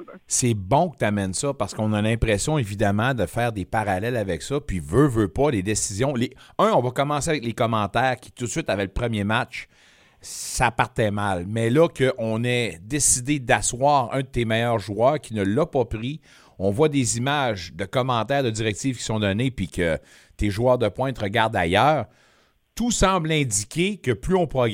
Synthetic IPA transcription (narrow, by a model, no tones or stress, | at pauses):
sɛbɔ̃kət̪amɛnsʌpaʁsə̥kɔ̃nalɛ̃pʁɛsjɔ̃evid̪amɑ̃d̪əfɛːʁd̪epaʁalɛlavɛksʌpɥivøvøpɔled̪esizjɔ̃leœ̃ɔ̃vʌkɔmɑ̃seavɛklekɔmɑ̃t̪ɛːʁkʲi̥t̪ʊt̪sɥɪt̪avɛləpʁəmjemat͡ʃ | sapaʁt̪ɛmalmɛlʌkəʔɔ̃nɛd̪esid̪ed̪aswaːʁœ̰̃d̪ət̪emɛjœːʁʒuœːʁkʲinəlːapʌpʁi | ɔ̃vwad̪ezimaʒd̪əkɔmɑ̃t̪ɛːʁd̪ədziʁɛk̚t̪iːv̥kʲi̥sɔ̃d̪ɔnepikʲə̰ | t̪eʒuœːʁd̪əpwɛ̃t̪ʁəɡʲaʁd̪ajœːʁ | t̪usɑ̃ːblɛ̃d̪d͡z̪ikʲekəplyɔ̃pχɔɡ